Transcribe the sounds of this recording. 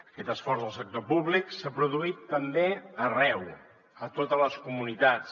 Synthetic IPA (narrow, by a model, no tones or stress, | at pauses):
əkɛt̪əsfɔrzðəlˠsək̚t̪opuβliksapɾuðuit̪ːəmbeərɛw | ət̪ot̪ələskumunit̪at͡s